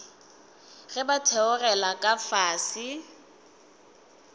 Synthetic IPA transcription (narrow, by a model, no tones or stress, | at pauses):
ɣɛbatʰɛʊrɛlakʼafaːsɪ